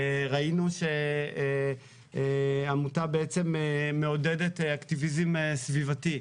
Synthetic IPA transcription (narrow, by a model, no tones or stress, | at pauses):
ʁainuʃe | amutabeet͡se̞meːeodedetaktivizemesvivati